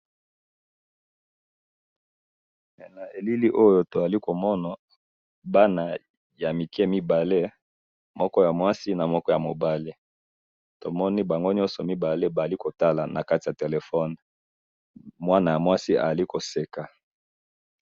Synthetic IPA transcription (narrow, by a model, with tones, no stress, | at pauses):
me˨na˨e˨li˦li˦ʔo˦jo˦to˨za˨li˦ko˨mɔ˦na˨ | ba˦na˨ | ja˨mi˨kɛ˦mi˦ba˨le˦ | mɔ˦kɔ˦ja˨mwa˦si˦na˨mɔ˦kɔ˦ja˨mo˨ba˦le˦ | to˨mɔ˦ni˦ba˨ŋɡo˦ɲɔ˦nsɔ˨mi˦ba˨le˦ba˨i˦ko˨ta˦la˨na˨ka˦ti˨a˨te˨le˨fɔ˦n˨ | mwa˦na˨ja˨mwa˦si˦ʔa˨a˨li˦ko˨se˨ka˨